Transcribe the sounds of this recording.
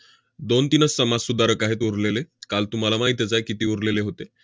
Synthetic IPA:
d̪ont̪inəsːəmassud̪aɾəkaɦet̪uɾlelekalt̪um̤alamaɦit̪jed͡zajkit̪iːuɾleleɦot̪e

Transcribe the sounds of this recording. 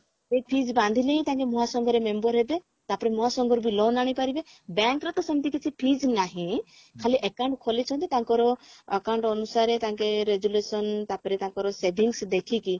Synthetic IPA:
sepʰid͡ʒbãnd̪ʱileɦĩt̪aŋkemɔɦasɔŋɡɔɾemembɔɾɦebe | t̪apɔɾemɔɦasɔŋɡɔɾbilɔnaɽ̃ipaɾibe | baŋkɾɔt̪ɔsɔmit̪ikit͡ʃʰipʰid͡ʒnaɦĩ | kʰaliʔekawɳʈkʰɔlit͡ʃʰɔ̃nt̪it̪aŋkɔɾɔəkawɳʈɔnusaɾet̪aŋkeɾeɡjulesɔnt̪apɔɾet̪aŋkɔɾɔsebʱiŋsd̪ekʰiki

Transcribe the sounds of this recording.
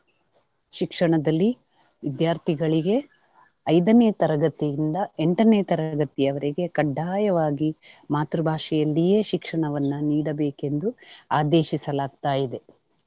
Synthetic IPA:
ʃikʂɐɳɐd̪ɐlːi | ʋid̪jaːɾt̪ʰiɡɐɭiɡe̞ | ɐjd̪ɐneːt̪ɐɾɐɡɐt̪ijind̪ɐeɳʈɐneːt̪ɐɾɐɡɐt̪ijɐʋɐɾiɡe̞kɐɖːaːjɐʋaːɡimaːt̪ɾubʱaːʂɛjɐlːije̞ːʃikʂɐɳɐʋɐnːuniːɽɐbeːke̞nd̪uaːd̪eːʃisɐlaːɡ̚t̪aːjid̪e

